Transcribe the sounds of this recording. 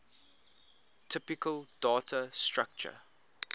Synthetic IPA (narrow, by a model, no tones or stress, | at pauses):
tʰɪpɪkʰəld̥ɔːtʰəstɹak̚t͡ʃə̰